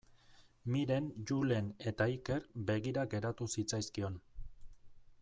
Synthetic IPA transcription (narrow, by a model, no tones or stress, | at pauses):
miɾe̞nd͡ʒule̞ne̞t̪aike̞ɾbe̞ɣiɾaɡe̞ɾat̪usit͡sajskio̞n